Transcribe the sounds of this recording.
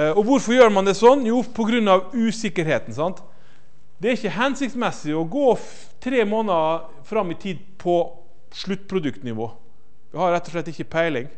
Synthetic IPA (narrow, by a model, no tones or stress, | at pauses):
ɔʋʊɾfɔɾjøːɾmɑnd̪ɛsɔnːjuːpʰɔɡɾʉnːɑʋʉːsɪkːəɾɦeːt̪n̩sɑnt̪ | d̪ɛæɾɪçːəɦɛnsɪkt̪smɛsːɪɔɡoː | t̪ʰɾeːmoːnə | fɾɑmːɪt̪ʰiːd̪̚pʰɔ | ʂɭʉt̪ːpʰɾʊd̪ʉkt̪nɪʋo̰ː | ʋɪhɑɾɛt̪ːɔʂɭɛt̪ːɪçːəpʰæɪlɪŋ